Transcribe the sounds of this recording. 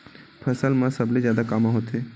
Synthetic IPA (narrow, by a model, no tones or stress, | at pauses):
pʰəsəlmãsəblezjaːd̪akamãɦoːt̪e